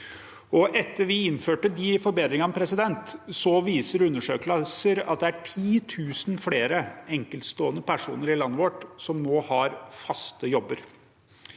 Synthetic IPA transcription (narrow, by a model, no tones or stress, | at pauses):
ɔʔɛt̪ʰːəɾʋɪɪnːføːʈəd̪ɪfɔɾbeːd̪ɾɪŋɑmpʰɾɛsɪd̪ɛnt̪sɔʋiːsəɾʉnːəʂøːkləsəɾɑ̰t̪̚d̪ɛæʈʰiːt̪ʰʉːsnfleːɾəɛŋkəlt̪st̪oːənəpʰæʂṵːnəɾɪlɑnːəʋɔʈsɔmnoːhɑɾfɑst̪əjɔbːəɾ